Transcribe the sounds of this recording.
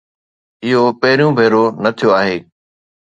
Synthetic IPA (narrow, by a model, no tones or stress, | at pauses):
ɪɦopɐɦɪɾijũbʱeːɾonɐt̪ʰijoaːɦeː